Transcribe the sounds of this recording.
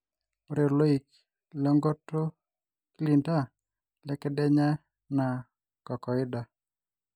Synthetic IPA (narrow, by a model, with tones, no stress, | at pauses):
o˦ɾe˨lo˦i˨k | lɔ˦ŋɡɔ˦to˦ | kli˨nda˦ | lɛ˦kɛ˦dɛ˦ɲa˦ | na˨ | kɔ˨kɔ˨ɪ˦da˨